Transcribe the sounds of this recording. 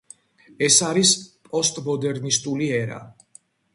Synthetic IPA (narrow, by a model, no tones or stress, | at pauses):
ɛsaɾispʼɔst̪ʼmɔd̪ɛɾnist̪ʼuliɛɾa̰